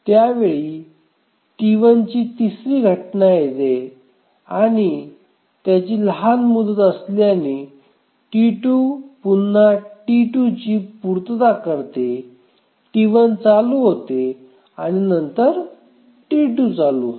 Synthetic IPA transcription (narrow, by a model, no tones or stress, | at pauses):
t̪jaʋeɭiː | ʈiʋənt͡ɕiːt̪isɾiːɡʱəʈnajet̪e | aɽ̃i | t̪jat͡ɕiːlɦanmud̪ət̪əsliani | ʈiʈuːpunːaʈiʈut͡ɕiːpuɾt̪d̪akəɾt̪e | ʈiʋənt͡saluɦot̪e | aɽ̃inənt̪əɾ | ʈiʈut͡salṵ